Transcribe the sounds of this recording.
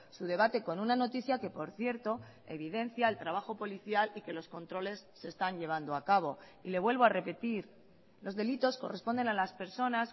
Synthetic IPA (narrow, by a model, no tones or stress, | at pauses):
suð̞e̞β̞at̪e̞ko̞nunano̞t̪iθjake̞po̞ɾθje̞ɾt̪o̞ | e̞̰β̞iðe̞nθjae̞lt̪ɾaβ̞axo̞po̞liθjalike̞lo̞sko̞nt̪ɾo̞le̞sːe̞st̪aɲʎe̞β̞and̪oakaβ̞o̞ | ile̞β̞we̞lβo̞are̞pe̞t̪iɾ | lo̞zðe̞lit̪o̞sko̞̰re̞spo̞nd̪e̞nalaspe̞ɾso̞nas